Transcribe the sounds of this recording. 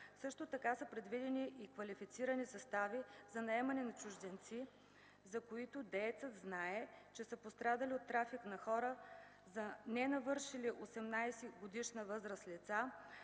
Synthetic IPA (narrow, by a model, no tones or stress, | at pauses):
sɤʃt̪ot̪ɐkasəpɾɛd̪vid̪ɛniʔikvɐlifit̪siɾənisɐst̪avizɐnɐɛmɐnɛnɐt͡ʃʊʒd̪ɛnt̪si | zɐkoit̪ʊd̪ɛjt̪səd̪znaɛt͡ʃɛsəpost̪ɾad̪əliot̪ːɾafiknɐxɔɾə | zɐnɛnɐvɤɾʃiliʔosɛmnajsɛɡod̪iʃnəvɤzɾəslit̪sa